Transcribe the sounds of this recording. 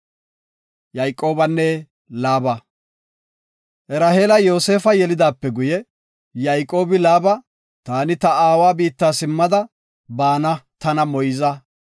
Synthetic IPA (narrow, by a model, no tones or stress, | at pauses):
jɐjkʼːo̞ːbɐnːɛ | laːbɐ | ʔɛɾɐheːlɐjo̞ːse̞ːfɐjɛlɪd̪aːpːɛɡʊjɛ | jɐjkʼːo̞ːbɪlaːbɐ | t̪aːnɪt̪ɐaːwaːbiːt̪ːaːsɪmːɐd̪ɐ | baːnɐt̪ɐnɐmɔjzɐ